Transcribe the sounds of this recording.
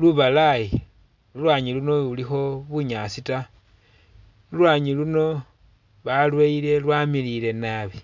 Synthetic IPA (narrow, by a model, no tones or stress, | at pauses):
luβalai | lulwaːɲiluno̞ulixo̞βuɲasita | lulwaːɲiluno̞ | βalweile̞lwamilile̞naβi